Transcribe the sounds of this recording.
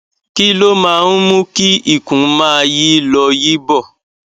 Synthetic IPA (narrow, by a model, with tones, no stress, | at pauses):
ki˦lo˦mãː˦˧ũ˦mũ˦ki˦i˦˨kũ˨˦mãː˦ji˦lɔ˧ji˦bɔ˦˨